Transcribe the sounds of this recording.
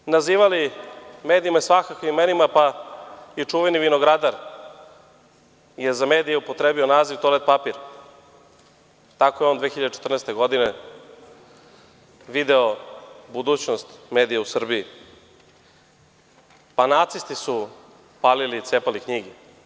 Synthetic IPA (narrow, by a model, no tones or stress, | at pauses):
naziːʋalimeːd̪iimasʋakakʋiimenimapa | it͡ʂuʋeniʋinoɡɾad̪aɾ | jezameːd̪ijeupot̪ɾebio̞naːziʋt̪olet̪̚papiɾ | t̪ako̞jeond̪ʋeːxiʎad̪et͡ʃet̪rnest̪e̞ɡo̞d̪ine | ʋid̪eobud̪uːt͡ɕnost̪meːd̪ijausr̩bii | panat̪sist̪isu | paːlilit̪seːpalikɲiɡi